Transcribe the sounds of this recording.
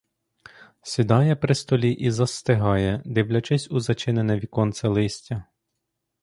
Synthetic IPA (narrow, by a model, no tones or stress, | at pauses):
sʲid̪ɑjɛpɾɪst̪ɔlʲiʔizɐst̪ɪɦɑjɛd̪ɪwlʲɐt͡ʃɛsʲuzɐt͡ʃɪnenɛʋʲikɔnt̪sɛlˠɪsʲtʲɐ